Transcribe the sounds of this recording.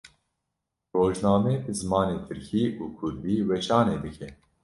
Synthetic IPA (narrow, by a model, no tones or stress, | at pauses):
roːʒnɑːmeːbɨzɨmɑːneːt̪ʰɨɾkʰiːʔuːkʰʊɾd̪iːwɛʃɑːneːd̪ɨkʰɛ